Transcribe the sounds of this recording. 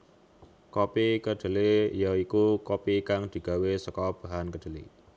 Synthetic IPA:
kopikəɖ̪̥ə̤lijaikukopikaŋd̪̥i̤ɡ̥a̤wesəkɔb̥ä̤ɦankəd̪̥ə̤lḭ

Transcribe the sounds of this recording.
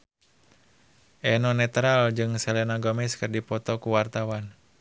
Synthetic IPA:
ʔɛnɔnɛt̪ɾald͡ʒɨŋsɛlɛnaɡɔmɛskərdipɔt̪ɔkuwart̪awan

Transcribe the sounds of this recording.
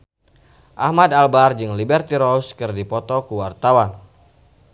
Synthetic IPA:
ʔahmadalbard͡ʒɨŋlibɛrt̪iɾɔskɨrdipɔt̪ɔkuwart̪awan

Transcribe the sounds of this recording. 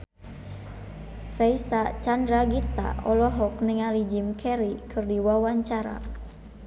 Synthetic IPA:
rɛisat͡ʃandɾaɡit̪a̰ɔlɔɦɔkniŋalid͡ʒimkʰɛɾikʰɨrdiwawaɲt͡ʃaɾa̰

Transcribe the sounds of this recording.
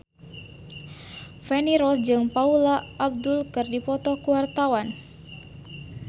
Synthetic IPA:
fɛniɾɔsd͡ʒɨŋpaulaʔːb̚dulkɨrdipɔt̪ɔkuwart̪awan

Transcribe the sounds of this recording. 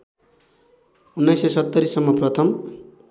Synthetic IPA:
unːajsesʌt̪ːʌɾisʌmːʌprʌt̪ʰʌm

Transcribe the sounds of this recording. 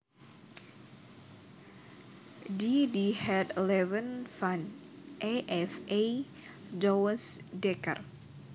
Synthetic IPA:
didihɛdlɛvənfan | ʔeʔɛfejd͡ʒɔwəsdɛkə̰r

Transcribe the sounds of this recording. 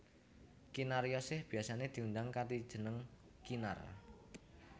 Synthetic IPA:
kinaɾjɔsɪhb̥i̤asaned̪̥i̤und̪aŋkat̪id̥ʒ̥ə̤nəŋ | kina̰r

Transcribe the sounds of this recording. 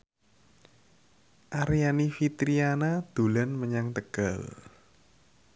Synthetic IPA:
ʔaɾijanifit̪ɾianad̪̥ṳlanməɲaŋt̪əɡ̥al

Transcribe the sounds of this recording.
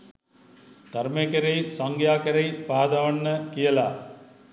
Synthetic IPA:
d̪̥aɾmekəɾejsaŋɡjaːkɐɾejpaːd̪aʋɐnːəkijəla

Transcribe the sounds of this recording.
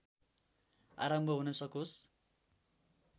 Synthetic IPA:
a̰ɾʌmbʱʌɦunʌsʌkos

